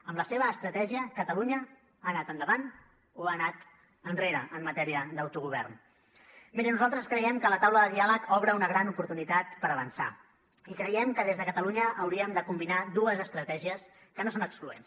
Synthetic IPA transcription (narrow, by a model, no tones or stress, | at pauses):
əmləseβ̞əːst̪ɾət̪ɛʒiəkət̪əluɲə | anat̪ənd̪əβan | oanat̪ | ənreɾə̰ʔəmːət̪ɛɾiəd̪əwt̪uɣuβ̞ɛ̰rn | meɾənuzalˠt̪ɾəskɾəjɛmkələt̪awləðəðialəkɔβɾəunəɣɾanupuɾt̪unit̪at̪pəɾəβənsa̰ | ikɾəjɛmkəðezðəkət̪əluɲəʔːwɾiəmd̪əkumbinad̪uəzəst̪ɾət̪ɛʒiəs | kənosonəkskluḛns